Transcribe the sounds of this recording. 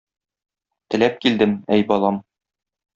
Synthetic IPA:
t̪ɘ̆læp̚kild̪ɘmæjbɒlˠɑm

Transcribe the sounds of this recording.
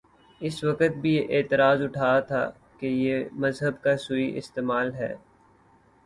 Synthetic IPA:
ɪswɐkət̪̚bʱijeʔeːt̪ɪɾaːzʊʈʰaːat̪ʰa̰ː | kejemɐzɦəbkasuiʔɪ̰st̪eːmaːlɦɛ̰ː

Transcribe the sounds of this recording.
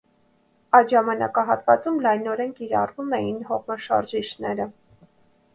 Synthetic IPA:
ɑj̪ʒɑmɑnɑ̰kɑɦɑt̪vɑt͡sumlɑjnɔɾɛnkiɾɑ̰rvumɛjinɦɔʁmɑʃɑ̰ɾʒiʃnɛɾə

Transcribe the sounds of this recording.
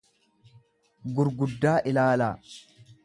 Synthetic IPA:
ɡʊɾɡʊd̪ːaːʔɪlaːlaː

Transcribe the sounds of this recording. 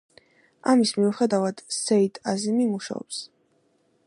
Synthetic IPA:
amismiuχɛd̪avad̪̥sɛit̪ʰʼazimimuʃa̰ɔ̰ps

